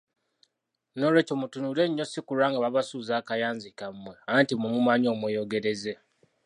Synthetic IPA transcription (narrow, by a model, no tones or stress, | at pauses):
noɾwecomutunuleɲːo̞sikuɾaːŋɡaβaβasuːzaːkajaːnzikamːweantimumumaɲoːmwejo̞ɡe̞ɾeze